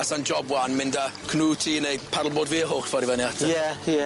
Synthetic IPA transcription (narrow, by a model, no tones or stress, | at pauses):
asand͡ʒɔbwanmɪndakʰnuːtʰiːnejpʰaɾl̩ˠboːdviːəɦoːxfɔɾivəniatʰaɛ